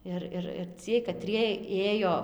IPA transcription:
ˈɪr ˈɪr ɪr ˈt͡sʲiɛj kɐˈtʲrʲiɛj ˈeːjoː

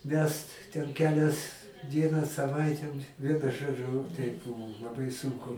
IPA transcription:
ˈʋʲɛst tʲɛn ˈkʲæːlʲɛs ˈdʲiɛnɑː sɐˈʋɐɪtʲɛ ˈʋʲiɛnʊ ˈʒoːd͡ʒʊ tʲɛɪp ˈbʊʋʊ lˠɐˈbɐɪ ˈsʊŋkʊ

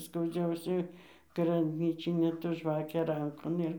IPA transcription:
skɐʊˈd͡ʒʲɛʊsʲɛ ɡrɐbʲˈnʲiːt͡ʃʲɪnʲeː tɐ ˈʒʋɑːkʲeː ˈrɐŋkoːn ˈɪr

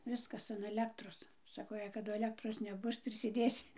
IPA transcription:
ˈʋʲɪskɐs ɐn ɐˈlʲæːktroːs ˈsɑːkoː jɛɪ kɐˈdʊ ɐˈlʲæːktroːs nʲɛˈbʊs tɐɪ ɪr sʲeːˈdʲeːsʲɪ

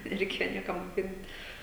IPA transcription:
nʲɛrʲɛɪˈkʲeːjoː ˈnʲiɛkɐm moːˈkʲɪnt

